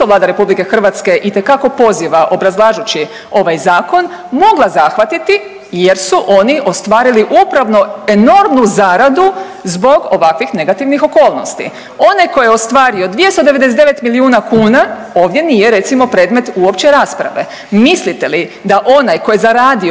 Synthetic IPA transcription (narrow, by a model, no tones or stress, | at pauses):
t̪oʋlˠaːd̪aɾe̞publike̞xr̩ʋat̪ske̞ʔit̪e̞kako̞po̞ziʋaʔo̞bɾazlˠaːʒut͡ɕi | o̞ʋajzaːko̞n | mo̞ɡlˠazaxʋat̪it̪i | je̞ɾsuʔo̞niʔo̞st̪ʋaːɾiliʔupɾaʋno̞e̞no̞ɾmnuzaːɾad̪u | zbo̞ɡo̞ʋakʋixne̞ɡat̪iʋnixo̞ko̞ːlno̞st̪ḭ | o̞najko̞jeo̞st̪ʋaːɾio̞d̪ʋijest̪od̪e̞ʋe̞d̪es̬et̪d̪eʋe̞t̪miliuːnakuːna | o̞ːʋd̪je̞nijeɾe̞t̪simo̞pɾe̞ːd̪me̞t̪uo̞pt͡ɕeɾaːspɾa̰ʋe̞̰ | mislit̪e̞lid̪aʔo̞najko̞jezaɾaːd̪i